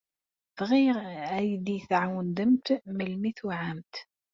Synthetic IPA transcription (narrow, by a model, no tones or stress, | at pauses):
θʁiʁæjd̪iθʕawənd̪əmt̪məlmiθwʕamt̪